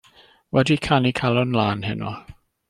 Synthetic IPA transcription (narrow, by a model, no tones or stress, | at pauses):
wɛdikʰanikʰalˠɔnlˠaːnhɪnɔ̰